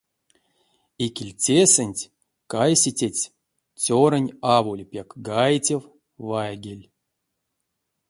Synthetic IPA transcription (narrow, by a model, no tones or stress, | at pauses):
ikʲilʲt͡sʲesɨnʲtʲ | kajsʲitʲetʲ | t͡sʲoɾənʲavulʲpʲakɡajtʲew | vajɡʲelʲ